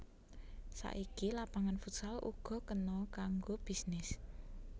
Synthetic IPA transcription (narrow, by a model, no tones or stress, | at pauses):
sa̰ʔikilapaŋanfut̪salṵɡ̥ɔ̤kənɔkaŋɡob̥isnɪs